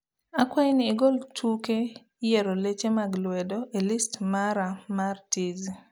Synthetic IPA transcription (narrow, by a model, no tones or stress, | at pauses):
akwajnɪːɡoltʰuke | jɛɾolet͡ʃemaɡlwɛdɔʔelistmaɾamartiz